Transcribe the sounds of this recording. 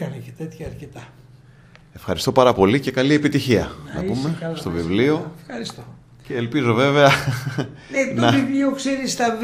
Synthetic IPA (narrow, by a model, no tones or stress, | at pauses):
ɐnecet̪et̪çɐːɾcet̪ɐ | e̞fxɐɾist̪o̞pɐɾɐpo̞lice̞kɐlie̞pit̪içiɐ̰nɐ̰pume̞st̪o̞vivliofxɐɾist̪o | ceːlpizo̞ve̞veɐ | nenɐivjokseɾist̪ɐv